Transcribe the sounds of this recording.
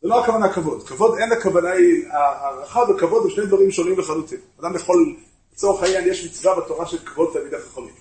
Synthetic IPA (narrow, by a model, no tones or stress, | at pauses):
zeloakavanakavo̞d̪kavo̞d̪e̞nakavanainaaʁaχavekavo̞d̪emʃnejd̪vaʁimʃonimveχalut̪imad̪amjeχo̞l | t͡soχajanjeʃmit͡svabat̪o̞ʁaʃelkavo̞d̪̚t̪amid̪aχaχonit